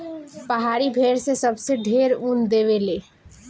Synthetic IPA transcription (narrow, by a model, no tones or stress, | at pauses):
pəɦaɾibʱeɾsesəbseɖʱeɾund̪eʋele